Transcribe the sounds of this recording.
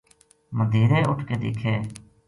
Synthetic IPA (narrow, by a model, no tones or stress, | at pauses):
məd̪ʱiːɾɛːʊʈʰkeːd̪ḛːkʰeː